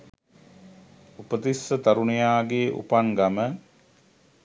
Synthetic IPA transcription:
upət̪isːət̪ɐɾunejaːɡeːʔṵpaŋɡamə

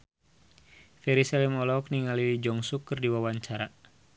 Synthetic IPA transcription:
fɛɾisɛlimɔlɔkniŋalilid͡ʒɔŋsukːɨrdiwawaɲt͡ʃaɾa

